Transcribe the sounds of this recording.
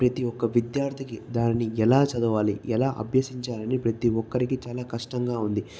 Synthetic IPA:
pɾɐt̪iɔkːɐʋid̪jaːɾt̪ʰikid̪aːnniɛlaːt͡ʃɐd̪uʋaːliɛlaːʔɐ̰bʱjɐsiɲt͡ʃaːlɐnipɾɐt̪iɔkːɐɾikit͡ʃaːlaːkɐʂʈɐŋɡaːund̪i

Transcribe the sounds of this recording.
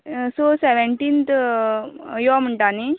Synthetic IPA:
soseʋeɳʈint̪ | jom̤əɳʈani

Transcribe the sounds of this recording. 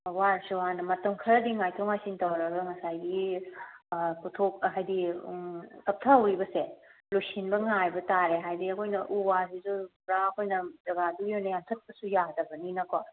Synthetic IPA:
waɾsuɦanɐmɐtɐmkʰɐɾɐdiŋajtʰoŋajsintɐwɾɐbɐɦɐsajɡi | kutʰok̚ɦajdi | kɐp̚tʰɐɐwɾibɐselusinbɐŋajbɐtaɾeɦajdiɐkʰojnɐʔuwasizupɾaɐkʰojnɐzɐɡadujonɐjamtʰɐt̚bɐsujadɐbɐninɐkɔ

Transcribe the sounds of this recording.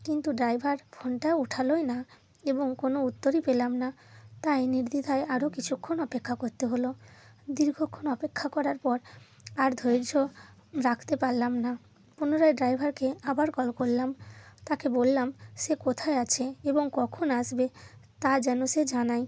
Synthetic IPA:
kint̪uɖɾajbʱaɾfʰoɳʈauʈʰalojna | eboŋkonout̪ːoɾipelamna | t̪ajniɾd̪id̪ʱaeaɾokit͡ɕʰukʰːonɔpekʰːakoɾt̪eɦolod̪iɾɡʱokʰːonɔpekʰːakɔɾaɾpɔɾ | aɾd̪ʱojɾd͡ʑʱo | ɾakʰt̪epaɾlamna | punoɾaeɖɾajbʱaɾkeabaɾkɔlkolːamt̪akebolːamʃekot̪ʰaeat͡ɕʰeeboŋkɔkʰonaʃbet̪ad͡ʑɛnoʃed͡ʑanaj

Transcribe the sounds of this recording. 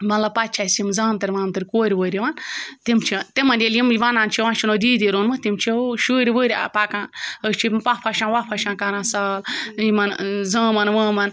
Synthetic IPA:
mɐnlɐpat̪̚t͡ʃʰasjimzãːmt̪ɐɾʲʋaːmt̪ɐɾʲkoːɾʲiʋəːɾʲiʋant̪imt͡ʃʰit̪imɐndʲeljimʋanaːnt͡ʃʰiʋãːnt͡ʃʰinoːd̪iːd̪iɾoːnmɨt̪imt͡ʃʰiʃəːɾʲiʋəːɾʲa̰pakãːnəst͡ʃʰipapʰaʃãːnʋapʰɐʃãːnkaɾãːsaːljimɐnzaːmɐnʋãːmɐn

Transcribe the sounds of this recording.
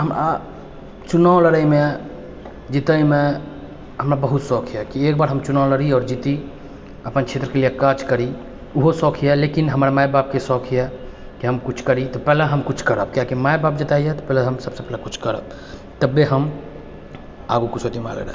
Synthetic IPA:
ɦəmɾa̰ | t͡ʃunawləɾəjme | d͡ʒit̪əjme | ɦəmɾabəɦut̪sɔkʰijɛkiekbaɾɦəmt͡ʃunawləɾiɔːɾd͡ʒit̪i | əpənt͡ʃʰet̪ɾəkelijekat͡ʃkəɾi | uɦosɔkʰijɛlekinɦəməɾamajbap̚kesɔkʰijɛ | kiɦəmkut͡ʃʰkəɾit̪ɔpɛɦleɦəmkut͡ʃʰkəɾəb̚kjakimajbap̚d͡ʒət̪aijɛt̪ɔpɛːləɦəmsəbsepɛlekut͡ʃʰkəɾə̰b̚ | t̪əbːeɦəm | a̰ɡukut͡ʃʰot̪ima̰lə̰ɾə̰

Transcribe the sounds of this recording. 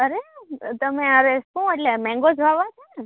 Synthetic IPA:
əɾet̪əmẽəɾesʃũeʈlemɛ̃ŋɡod͡ʒʱʋaʋat͡ʃʰe

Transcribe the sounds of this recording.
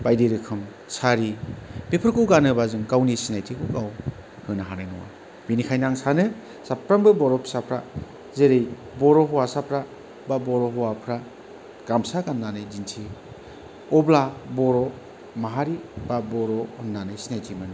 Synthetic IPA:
bajdeɾɯkʰɯm | saɾipepʰɯɾkɯwɡanɯbazɯŋkawnisinajtʰikuɡaw | hɯnaɦanajnɔwa̰ | binikʰajnaŋsanɯ | sapɾambɯbɔɾɔpʰsapʰɾa | zeɾej | bɔɾɔɦɔwasapʰɾa | babɔɾɔɦɔwapʰɾa | ɡ̥amsaɡanːanɯjzintʰi | ɔblabɔɾɔ | maɦaɾibabɔɾɔɔnːanɯjsinajtʰimɯn

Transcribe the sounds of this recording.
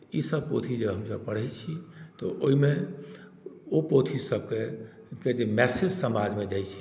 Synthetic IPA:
isəb̚pot̪ʰid͡ʒəbɦəmsəb̚pəɽ̤ɛjt͡ʃʰit̪ɔʔoɦime | opot̪ʰisəb̚ke | ked͡ʒemɛsid͡ʒsəmad͡ʒmed͡ʒajt͡ʃʰi̥

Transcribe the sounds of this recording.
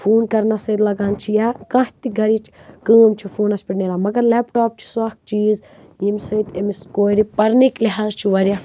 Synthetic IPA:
fʰuːnkɐɾnasɐjd̪lɐɡaːnt͡ʃʰijaːkãːht̪iɡɐɾit͡ʃʰkəːmt͡ʃʰifʰuːnɐsʲpiʈneːɾaːmɐɡɐɾlɛːpʈaːp̚t͡ʃʰi̥sɐk̚t͡ʃiːz | imsɐit̪emiskoːɾipɐɾnikliɦaːzt͡ʃʰiʋɐɾʲjaː

